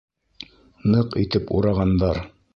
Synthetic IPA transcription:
nɤqit̪ɘpuɾɑʁɑnd̪ɑɾ

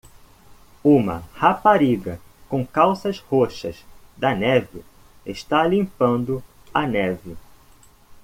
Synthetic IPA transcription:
ũmɐ̰hapaɾiɡɐkõkawsɐzhoʃɐ̰zd̪ɐnɛvɪ | eʃt̪alĩmpɐ̃nd̪ʊ | ɐnɛvɪ

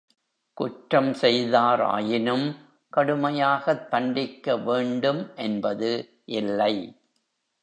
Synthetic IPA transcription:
kʊʈɾɐmsɛjðaːɾa̰ːjɪnɯm | kɐɽɯmɐjaːɣɐt̪ːɐɳɖɪkːɐʋeːɳɖɯmʔɛnbɐðɯ | ʔɪlːɐɪ

